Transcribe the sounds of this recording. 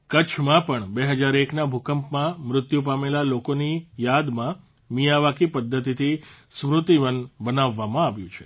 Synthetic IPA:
kət͡ʃʰmãpəɳbeɦəd͡ʒaɾeknabʱukəmpmãmɾʊt̪jupamelalokonijad̪mã | mijaʋakipəd̪ʱːət̪it̪ʰismɾʊt̪iʋənbənaʋːamãaʋjṵ̃t͡ʃʰe

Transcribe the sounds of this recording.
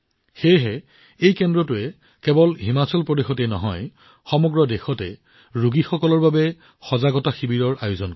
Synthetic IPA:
xejɦɛ | ejkɛndɹɔtʊɛ | kɛbɔlɦimasɔlpɹɔdexɔtɛnɔ̰ɦɔj | xɔmɔɡɹɔdexɔtɛ̰ | ɹuɡixɔkɔlɔɹbabɛ | xɔzaɡɔtaxibiɹɔɹʔa̰jʊzɔnk

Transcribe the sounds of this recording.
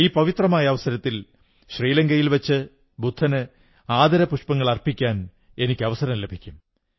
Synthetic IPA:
iːpɐʋit̪rɐmaːjɐːʋɐsɐɾɐt̪ːil | ɕriːlɐŋɡɐjilʋɐt͡ɕːɨ | bud̪ʱːɐnɨ | aːd̪ɐɾɐpuʂpɐŋːɐɭɐrpikʲːaːn | e̞nikʲːɨɐʋɐsɐɾɐmlebʱikʲːum

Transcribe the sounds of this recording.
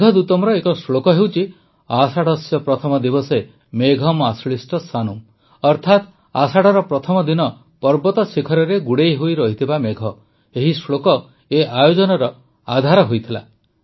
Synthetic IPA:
ɡʱɔd̪ut̪ɔmɾɔekɔsɭokɔɦewt͡ʃʰi | asaɽɔsjɔpɾɔt̪ʰɔmɔd̪ibɔse | meɡʱɔmasɭisʈɔsanum | ɔɾt̪ʰat̪ | asaɽɔɾɔpɾɔt̪ʰɔmɔd̪inɔ | pɔɾbɔt̪ɔsikʰɔɾɔɾeɡuɽejɦojɾɔɦit̪ʰibameɡʱɔ | eɦisɭokɔ | eajod͡ʒɔnɔɾɔ | a̰d̪ʱaɾɔɦojt̪ʰila̰

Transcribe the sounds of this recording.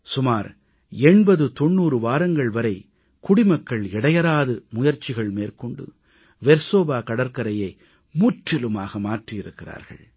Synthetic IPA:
sʊmaːɾ | ɛɳbɐðɯt̪ɔɳːuːɾɯʋaːɾɐŋɡɐɭʋɐɾɐɪ | kʊɽɪmɐkːɐɭɪɽɐjɐɾaːðɯmʊjɐɾt͡ʃːɪɣɐɭmeːɾkɔɳɖɯ̰ | ʋɛɾsoːbaːkɐɽɐɾkɐɾɐjɐɪ | mʊʈːɛlɯmaːɣɐmaːʈrɪjɪɾɯkːɪra̰ːɾɣɐ̰ɭ

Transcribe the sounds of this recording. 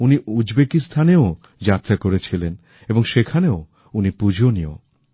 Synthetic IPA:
uniʔud͡ʑbekist̪ʰaneo | d͡ʑat̪ːɾakoɾet͡ɕʰilen | eboŋʃekʰaneo | unipud͡ʑʱonio̰

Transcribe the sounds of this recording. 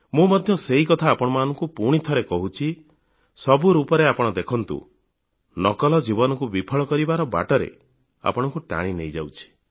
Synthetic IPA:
mũmɔd̪ʱjɔseɦikɔt̪ʰaːpɔɽ̃ɔmanɔŋkupuɽ̃it̪ʰɔɾekɔɦut͡ʃʰi | sɔbuɾupɔɾeapɔɽ̃ɔd̪ekʰɔnt̪ṵ | nɔkɔlɔd͡ʒibɔnɔkubipʰɔɭɔkɔɾibaɾɔba̰ʈɔɾḛ | a̰pɔɽ̃ɔŋkuʈa̰ɽ̃inejd͡ʒa̰wt͡ʃʰi̥

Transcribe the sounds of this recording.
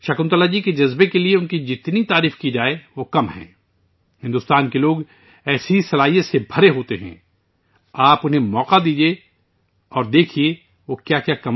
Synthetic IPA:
ʃɐkʊ̃nt̪əlad͡ʒiked͡ʒɐzbekelieʊnkid͡ʒɪt̪nit̪aːɾiːfkid͡ʒaːeʋoːkɐmɦɛ̰̃ː | hɪ̃nd̪ʊːst̪aːnkeloːɡ | ɛːsisɐlaːɦijẽsebʱɐɾeɦoːt̪eɦɛ̰̃ː | aːpʊnɦẽmɔːqad̪iːd͡ʒie | ɔːɾd̪eːkʰie | ʋoːkjaːkjaːkɐm

